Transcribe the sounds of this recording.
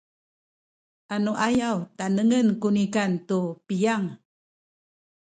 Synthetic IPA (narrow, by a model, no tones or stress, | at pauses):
ʔanuʔajawtanəŋənkunikantupijaŋ